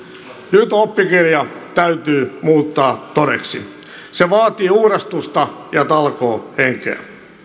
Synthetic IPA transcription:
nyt̪opːikirjɑt̪æyt̪yːmuːt̪ːɑːt̪oɾḛksḭ | seʋɑːt̪iːuhrest̪ust̪ɑjɑt̪ɑlkoːheŋkḛæ̰

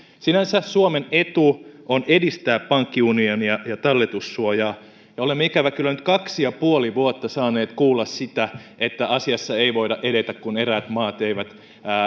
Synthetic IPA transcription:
sinænsæsuomenet̪uʔonedist̪æːppɑŋkːiunionijɑjɑt̪ɑlːet̪usːuojɑː | jɑolemːeikæʋækylːænyt̪kɑksijɑpuoliʋuot̪ːɑsɑːneːt̪kuːlːɑssit̪æʔet̪ːæʔɑsiɑsːɑeiʋoidɑʔeɾet̪ækkuneræːt̪mɑːt̪eiʋæt̪ː

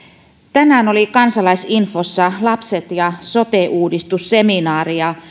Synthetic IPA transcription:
t̪ænæːno̞likɑnsɑlɑjsinfosːɑlɑpset̪jɑso̞t̪eʔuːdist̪usːe̞minɑːriɑ

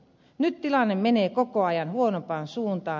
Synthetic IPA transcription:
nyt̪t̪ilɑnːemmeneːkokoɑjɑnhuonopɑːnsuːnt̪ɑː

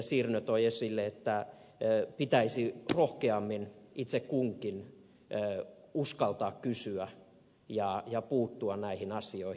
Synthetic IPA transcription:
siːrnøt̪oiesilːeet̪ːæ | pit̪æisirohkeɑmːinit̪sekkuŋkinː | uskɑlt̪ɑːkkysyæ | jɑjɑpuːt̪ːuɑnnæihinɑsioi

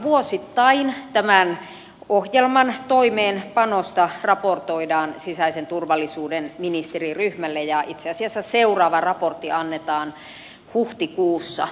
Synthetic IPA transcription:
ʋuosit̪ːɑint̪æmæn | ohjelmɑnt̪oimeːnpɑnost̪ɑrɑport̪oidɑːnsisæisent̪urʋɑlːisuːdenminist̪eriryhmælːejɑʔit̪seɑsiɑsːæseurɑːʋɑrɑport̪ːiɑnːet̪ɑːn | huht̪ikuːsːɑ̰

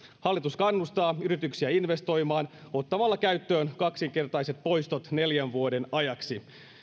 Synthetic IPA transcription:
hɑlːit̪uskɑnːust̪ɑːyɾit̪yksiæinʋe̞st̪o̞jmɑːno̞t̪ːɑmɑlːɑkæɥt̪ːø̞ːnkɑksiŋke̞rt̪ɑjse̞t̪̚po̞jst̪o̞t̪ne̞ljænʋuo̞de̞nɑjɑksi

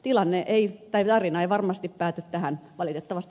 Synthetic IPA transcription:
t̪ilɑnːeʔeit̪ɑit̪ɑrinɑeiʋɑrmɑst̪ippæːt̪yt̪t̪æhænʋɑlit̪et̪ːɑʋɑst̪

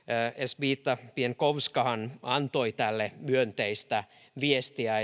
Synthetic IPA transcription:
esʋiːt̪ːɑpienkoʋskɑhɑnɑnt̪oit̪ælːemyønt̪eist̪æ | ʋiest̪iæ

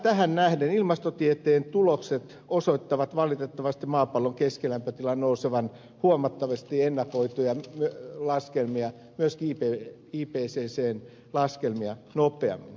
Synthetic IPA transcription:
t̪æhænnæhdenilmɑst̪ot̪iet̪eːnt̪ulokset̪ | osoit̪ːɑʋɑt̪ʋɑlit̪et̪ːɑʋɑst̪imɑːpɑlːoŋkeskelæmpøt̪ilɑnnouseʋɑn | huomɑt̪ːɑʋɑst̪ienːɑkoit̪ujɑmyølɑskelmiɑ | myøskiːpe | iːpeːseːseːn | lɑskelmiɑnopˑeɑ̰mːin

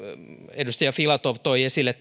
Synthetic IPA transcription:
edust̪ɑjɑfilɑt̪oʋt̪oiesilːˑet̪ː

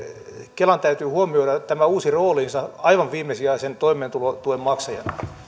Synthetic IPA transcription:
kelɑnt̪æyt̪yːhuomioiɾɑt̪æmæuːsiroːlinsɑɑiʋɑʋʋiːmˑesiɑisent̪oimeːnt̪ulot̪uemmɑksɑjɑ̰n

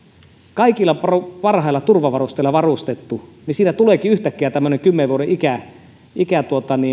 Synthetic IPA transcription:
kɑikilːˑɑpɑruʋɑrhɑˑilːɑt̪urʋɑʋɑrust̪eˑilːˑɑʋɑrust̪et̪ːunisiːnæt̪uleːkiyht̪ækːiæt̪æmːøneŋkymːeʋʋuoɾeikæ | ikæt̪uot̪ɑniː

